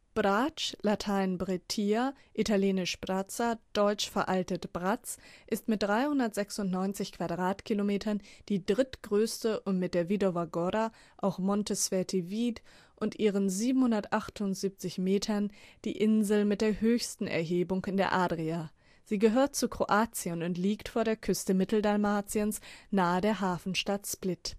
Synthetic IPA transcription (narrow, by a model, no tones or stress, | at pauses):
b̥ʁaːt͡ʃlatʰaɪnbʁetʰiaʔitaljeːnɪʃb̥ʁat͡sad̥ɔʏt͡ʃfɛɐʔaltətb̥ʁat͡sʔɪstmɪt̚d̥ʁaɪhʊndɐtz̥ɛksʊntnɔʏnt͡sɪçkv̥adʁaːtkʰilomeːtʰɐnd̥iːdʁɪtɡ̥ʁøːstəʔʊntmɪt̚d̥eːɐvidovaɡoɾa | ʔaʊxmɔntəsv̥ɛɐtʰiviːt | ʔʊntʔiːʁ̞ənziːbm̩hʊndɐtʔaχtʰʊntz̥iːp̚t͡sɪçmeːtʰɐnd̥ḭːʔɪnzl̩mɪt̚d̥eːɐɦøːçstn̩ɛ̰ɐɦeːbʊŋkɪndeːɐʔaːdʁiaː | z̥iːɡəɦøːɐt̚t͡sukʁ̥oʔaːt͡siənʊntliːktfoːɐdeːɐkʰʏstəmɪtl̩dalmaːt͡siənsnaːədeːɐɦaːfn̩ʃtatsplɪt